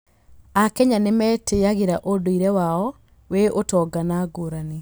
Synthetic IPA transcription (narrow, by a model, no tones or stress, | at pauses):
akɛɲanemɛːteaɣeɾaʔodoiɾɛwaɔ | weʔotɔːɡanaɡoɾane